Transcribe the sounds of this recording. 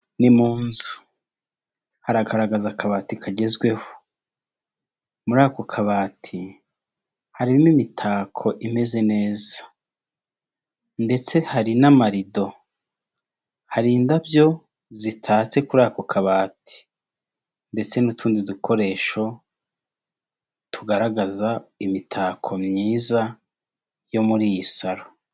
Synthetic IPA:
nimuːnzu̥ | haɾaɡaɾaɡazakʰaβaːtikʰaɟe̞zɡwe̞ho̥ | muɾaːko̞kʰaβaːtʰi | haɾiimimitʰaːkʰo̞ʔime̞ze̞ne̞ːzḁ | nde̞t͡se̞haɾinamaɾido̞ | haɾiːndavjo̞ | zitʰaːt͡se̞kuɾaːkokʰaβaːtʰi̥ | nde̞t͡se̞nutʰuːndidukʰo̞ɾe̞ːʃo̞ | tʰuɡaɾaɡazaimitʰaːkʰo̞mɲiːza | jo̞muɾijisaɾo

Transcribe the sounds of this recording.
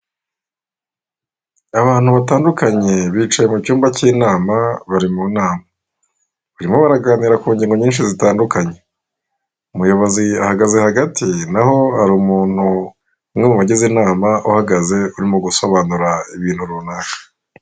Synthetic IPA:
aβaːn̥huβataːndukaɲe̞βiːt͡ʃaje̞mucuːmbaciːnaːmaβaɾimunaːma | βaɾimo̞βaɾaɡaːniɾakuːɲɟiːŋɡo̞ɲiːnʃizitaːndukaɲe̞ | umujo̞βo̞ziahaɡaze̞haɡatinaho̞aɾuːmuːn̥hu | mŋemuβaɟezinaːmaʔuhaɡaze̞uɾimoɡuso̞βaːnuɾaiβiːn̥huɾunaːkḁ

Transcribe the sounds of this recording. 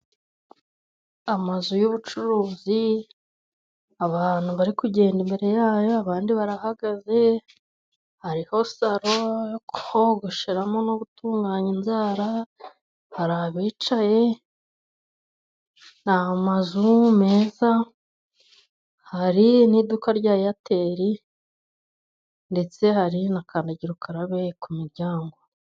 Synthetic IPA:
amazujuβut͡ʃuɾuːzi | aβaːn̥huβaɾikuɟe̞ːndimbe̞ɾe̞jaːjo̞aβaːndiβaɾahaɡaze̞ | haɾiho̞saɾojokuhoɡoʃeɾamo̞noβutuːŋɡaːɲinzaːɾa | haɾaβiːt͡ʃaje̞ | nahamazume̞ːza | haɾiniːdukaɾɟaːjjatʰe̞ːɾi | nde̞t͡se̞haɾinakʰaːndaɟiɾukaɾaβe̞kumiɾɟaːŋɡo

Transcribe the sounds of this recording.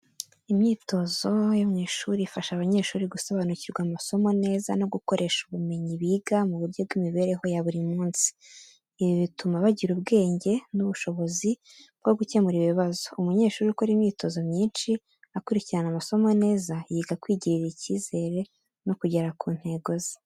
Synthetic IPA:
imɲiːto̞zo̞jomɲeʃuɾifaʃaβaɲe̞ːʃuːɾiɡuso̞βanuciɾɡwamaso̞mo̞ne̞ːza̰no̞ɡukoɾʔe̞ʃuβume̞ɲiβiːɡamuβuɾɟob̚ɡimiβe̞ːɾe̞ɦo̞jaβuɾimuːnsi̥ː | βiβitumaβaɟiɾubɡe̞ːɲɟe̞nuβuʃo̞βo̞zi | bɡo̞ɡuce̞muɾiβiβazo̞umuɲe̞ːʃuːɾiukoɾimɲiːto̞zo̞mɲiːnʃi | akuɾiciɾanamaso̞mo̞ne̞ːzajiɡakwiːɟiɾiɾiciːze̞ɾe̞ | no̞kuɟe̞ɾakuːn̥he̞ːɡo̞zi̥

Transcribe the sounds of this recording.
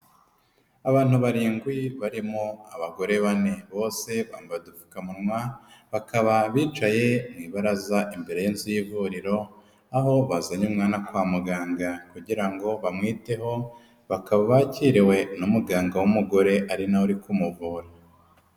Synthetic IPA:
aβaːn̥uβaɾiːŋɡwiβaɾimoaβaɡo̞ɾe̞βane̞βo̞ːse̞βaːmbaβedufu̥kamunŋwaβakʰaβaβiːt͡ʃaje̞niβaɾazaʔimbe̞ɾe̞jinzijivuɾiɾo̞ | aɦo̞βazaɲumŋaːnakwaːmuɡaːŋɡakuɟiɾaŋɡo̞βamŋiːte̞ɦo̞ | βakaβaβaciːɾiwe̞numuɡaːŋɡawumuɡo̞ɾe̞ʔaɾinawuɾikumuvuːɾa

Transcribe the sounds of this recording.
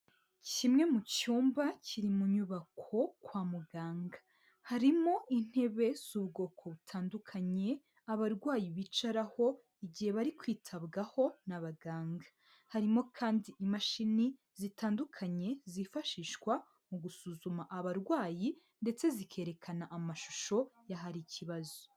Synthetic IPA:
cimŋe̞mucuːmbacʰiɾimuɲuβakʰo̞kwaːmuɡaːŋɡḁ | haɾimo̞ʔin̥he̞βe̞z̥uβɡo̞ːkʰo̞βutʰaːndukʰaɲe̞ | aβaɾɡwaːjiβit͡ʃaɾaho̞ | iɟihe̞βaɾikwiːtʰabɡaho̞naβaɡaːŋɡa | haɾimo̞kʰaːndiʔimaʃini | zitaːndukʰaɲe̞zifaʃiːʃkwa | muɡusuzumaʔaβaɾɡwaːji | nde̞t͡se̞zikʰe̞ːɾe̞kʰanaʔamaʃu̥ʃo̞jaɦaɾicʰiβazo̥

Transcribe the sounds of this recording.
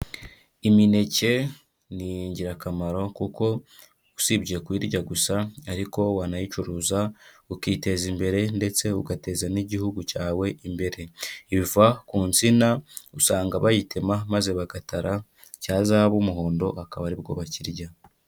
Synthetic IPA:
imine̞ce̞ | nijɲɟiɾakamaɾo̞kuko̞ | usibɟiekwiːɾɟaɡusaːɾiko̞waːnajit͡ʃuɾuːza | ukiːte̞zimbe̞ɾe̞nde̞t͡se̞uɡate̞zaniɟihuɡucaːwe̞ʔimbe̞ɾe̞iβivakuːnt͡sinausaːŋɡaβajitemamaze̞βaɡataɾa | caːzaβumuɦo̞ːndo̞akaβaɾib̚ɡo̞̰βaciɾɟa

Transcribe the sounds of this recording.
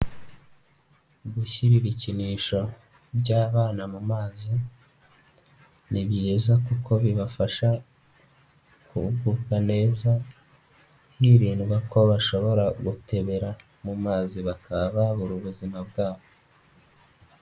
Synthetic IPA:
ɡuçiɾiɾiciniːʃo̞ | bjaːβaːnamumaːzi | nibjiːzakukʰo̞βiβafaʃa | kṵbɡuːkane̞ːza | hiɾiːnɡwako̞βaʃo̞βo̞ɾaɡute̞βe̞ɾa | mumaːziβakʰaβaβuɾuβuzimabɡaːβo

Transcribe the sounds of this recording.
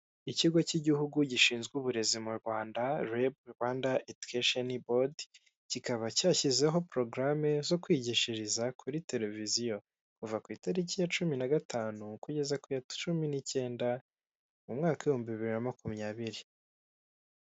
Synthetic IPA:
iciɡo̞ciɟiɦuɡuɟiʃiːnzɡuβuɾe̞zimuɾɡwaːndaɾeb̚waːndaedukʰeʃonibod | cikaβacaːçize̞ɦo̞pɾo̞ɡɾame̞zo̞kwiːɟiʃiɾizakʰuɾite̞ɾe̞vizijo̞ | kuvakwiːtaɾecijat͡ʃuminaɡataːnukuɟe̞zakujḁt͡ʃuminice̞ːnda | mumŋaːkaihoːmbiβiβiɾinamakumɲaːβiɾi

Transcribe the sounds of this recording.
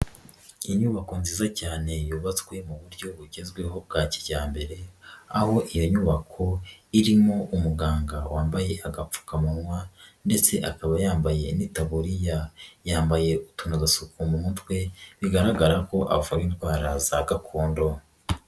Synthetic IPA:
iɲuːβako̞nziːzacaːne̞juːβat͡swe̞muβuɾɟo̞βuɟezɡwe̞ɦo̞b̚ɡaːci̥ɟaːmbe̞ɾe̞aho̞ʔijo̞ɲuːβakʰo̞iɾimo̞ʔumuɡaːŋɡawaːmbaje̞ʔaɡap͡fu̥kamunwande̞t͡se̞ʔakaβajaːmbaje̞nitaβuɾijajaːmbaje̞utunaɡasukumumutwe̞βiɡaɾaɡaɾako̞ʔa̰βvawinɡwaːɾazaɡakʰoːndo̞

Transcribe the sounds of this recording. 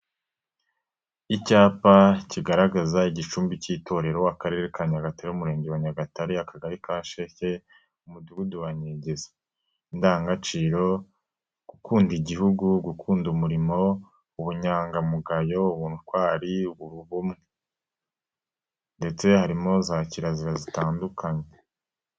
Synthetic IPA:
icaːpaciɡaɾaɡazaiɟit͡ʃuːmbiciːto̞ɾe̞ɾowakaɾe̞ɾekaɲaɡataɾeumuɾe̞ːɲɟewaɲaɡataɾiakaɡaɾikaːʃece̞ | umuduɡuduwaɲeɟeze̥ | indaːŋɡat͡ʃiːɾo̞ | ɡ̥ukuːndiɟihuɡuɡukʰuːndumuɾimo̞ | uβuɲaːŋɡamuɡajo̞uβuːnukwaːɾiuβuɾuβumŋe | nde̞t͡se̞haɾimo̞zaːciɾaziɾazitaːndukaɲe̞

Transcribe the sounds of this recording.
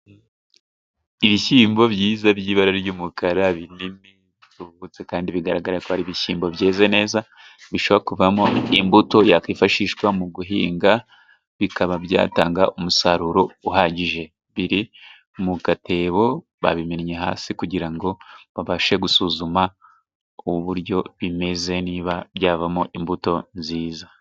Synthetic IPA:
iβiçiːmbo̞bjiːzabjiːβaɾaɾɾɟuːmukaɾaβinimi | tuβut͡se̞kaːndiβiɡaɾaɡaɾakohaɾiβiçiːmbo̞bjeːzane̞ːza | βiʃoβoekuvamo̞imbuto̞jakifaʃiːʃkwamuɡuɦḭːŋɡa | βikaβabja̰ːtaːŋɡaʔumusaɾuɾo̞uɦaːɟiʒe̞ | βiɾi | muɡatʰe̞ːβo̞ | βa̰βimeɾɲe̞ɦa̰ːsikuɟiɾaŋɡo̞βaβaʃe̞ɡusuːzuma | uβuβuɾjo̞βime̞ze̞niːβabjaːvamo̞ʔimbuto̞nziːza

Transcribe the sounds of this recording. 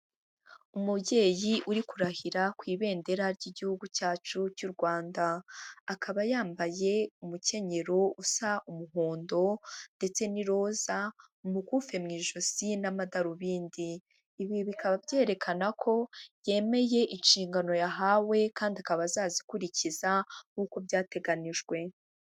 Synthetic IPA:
umubɟe̞ːjiʔuɾikuɾahiɾakwiːβe̞ːnde̞ɾaɾɟiɟihuɡucaːt͡ʃucuɾɡwaːndaːkʰaβajaːmbaje̞umuce̞ɲe̞ɾousaʔumuɦoːndo̞nde̞t͡se̞niɾo̞ːza | umukufe̞mŋiːʒoz̥inamadaɾuβiːndiː | βiβikaβavje̞ːɾe̞kʰanakʰo̞je̞ːme̞je̞ʔinʃiːŋɡano̞jaɦawe̞kaːndiakaβazaːzikuɾiciz̥akuːko̞bjaːte̞ɡaniʒɡwe̞

